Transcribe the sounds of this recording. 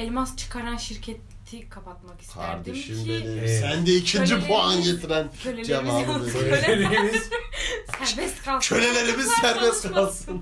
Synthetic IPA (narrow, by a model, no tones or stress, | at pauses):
elʲmast͡ʃʰɯ̥kʰaɾanʃiɾcʰet̪ʰikʰapat̪maki̥kʰa̰ɾd̪eʃɯmled̪isænd̪ɛicʰind͡ʒipʰoanɟet̪ʰiɾænʰølʲd͡ʒalaːmɯɾɯleelmizsæɾbɛst̪kʰat͡ʃʰø̞lʲe̞lʲe̞ɾimizsæɾbɛskʰalˠsɯn